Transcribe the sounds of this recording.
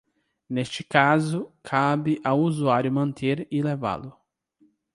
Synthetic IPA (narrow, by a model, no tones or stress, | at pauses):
nest͡ʃɪ̥kazʊkʰabɪʔawuzuaɾjʊmɐ̃nt̪ʰeɾɪleva̰lʊ